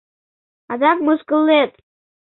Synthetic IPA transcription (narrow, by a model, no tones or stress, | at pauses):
ad̪akʼmɨskʼɨlːet̪ʼ